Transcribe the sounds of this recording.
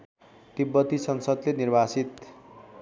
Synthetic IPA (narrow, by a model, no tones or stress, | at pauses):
t̪ibːʌt̪isʌnsʌd̪lenirbʱasit̪